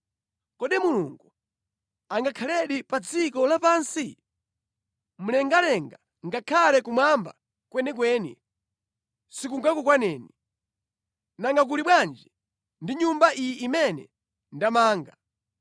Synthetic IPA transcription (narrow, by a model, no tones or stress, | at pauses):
kɔɗimuluŋɡu | aŋɡakʰalɛɗipad͡zikɔlapansi | m̩lɛŋɡalɛŋɡa | ŋɡakʰalɛkumwamba̰ | kwɛnɛk̬wɛːnḭ | sikuŋɡakukwanɛːni | naŋɡak̬uliɓwand͡ʒɛ | ndiɲumbaʔijiʔimɛnɛ̰ | ndamaːŋɡa